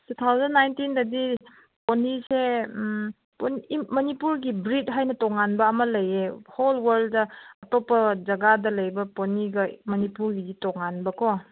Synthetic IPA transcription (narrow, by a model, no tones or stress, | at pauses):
tut̪ʰawzɐnːajntindɐdi | ponise | ponmɐnipuɾɡibɾit̚ɦajnɐtɔŋanbɐːmɐlɐjeholwɐɾlddɐɐtopːɐd͡ʒɐɡadɐlɐjbɐponiɡɐmɐnipuɾɡiditɔŋanbɐkɔ